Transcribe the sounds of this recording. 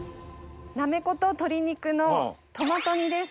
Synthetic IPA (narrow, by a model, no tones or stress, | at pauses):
name̞ko̞t̪o̞t̪o̞ɾʲiɲ̟ikɯ̟no̞t̪o̞mat̪o̞ɲ̟id̪e̞s